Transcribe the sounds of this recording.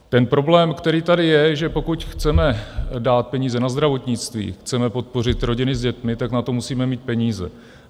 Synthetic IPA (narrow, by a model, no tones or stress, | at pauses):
t̪ɛnpɾo̞blɛːmkt̪ɛɾiːt̪adɪjɛʒɛpo̞kucxt͡sɛmɛdaːt̪̚pɛɲiːzɛnazd̪ɾavo̞t̪ɲɪt͡st̪vḭːxt͡sɛmɛpo̞t̪̚po̞r̝ɪt̪ɾo̞ɟɪnɪzɟɛt̪mɪt̪aknat̪o̞musiːmɛmiːt̪̚pɛɲiːzɛ̰